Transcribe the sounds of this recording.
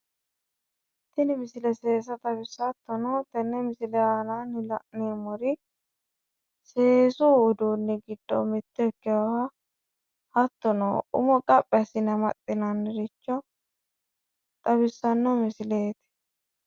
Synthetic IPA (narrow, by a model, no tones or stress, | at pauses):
t̪ːɪnɪmɪsɪlɛseːs̬ɐt̪ɐbɪsːɐt̪ːɔnɔt̪ɛnːɛmɪsɪlɛananɪlɐ̰ʔneːmɔɾɪ | seːsuːd̪uːnːɪɡɪd̪ːɔ̰mɪt̪ːɛɛkːɛwɐwɐ | hɐt̪ːɔnɔ̰ːʔʊ̰mɔkʼɐpʼːɛɐsɪnɐmɐt̪ʼːɪnɐnːɪɾɪt͡ʃːɔ | t̪ʼɐbɪsːɐnːɔmɪsɪleːt̪ɪ̥